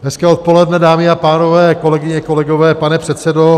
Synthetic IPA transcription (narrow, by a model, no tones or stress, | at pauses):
ɦɛskɛːot̪̚po̞lɛdnɛdaːmɪapaːno̞vɛːko̞lɛɡɪɲɛko̞lɛɡovɛːpanɛpr̝̥ɛt̪sɛdo